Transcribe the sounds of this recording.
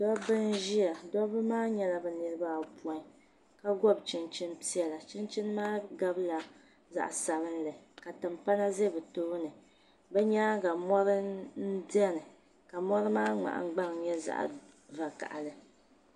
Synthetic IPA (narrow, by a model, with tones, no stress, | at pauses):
dɔ˦bɨ˦nʒi˦ja˨dɔ˦bɨ˦maː˦ɲɛ˦la˦bɛ˨nɨ˨ɾɨ˦ba˦˨pu˨ɔ˦ | ka˦ɡɔ˦bt͡ʃɪ˦nt͡ʃɪ˦npi˦ɛ˦la˨t͡ʃɪ˦nt͡ʃi˦n˦maː˦ɡa˦bla˨ | za̰˨ʔa˨sa˨ɾɨ˦nlɨ˨ka˨tɨ˨mpa˦la˦ze˦bɨ˨toː˦nɨ˨ | bɛ˦ɲa˦ɡa˨mɔ˦ɾɨ˦n̩˦di˦ɛ˦nɨ˨ | ka˨mɔ˦ɾɨ˦maː˦ŋ͡ma̰˨ʔa̰˨˦ɡ͡ba˦ŋ˨ɲɛ˦za̰˦˨ʔ | va˨ka̰˨ʔa̰˨lɨ˨